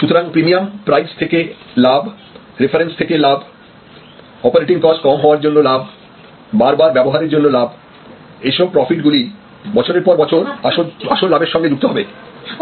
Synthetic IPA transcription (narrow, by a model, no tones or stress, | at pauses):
ʃut̪oɾaŋpɾimiampɾajst̪ʰeke | lab | ɾefʰaɾenst̪ʰekelab | ɔpaɾeʈiŋkɔd͡ʑkɔmɦɔoaɾd͡ʑonːolabʱ | baɾbaɾbɛboɦaɾeɾd͡ʑonːolab | eʃɔb̚pɾɔfiʈɡuli | bɔt͡ɕʰoɾeɾpɔɾbɔt͡ɕʰoɾaʃoaʃoɾlabeɾʃɔŋɡed͡ʑuk̚t̪oɦɔbe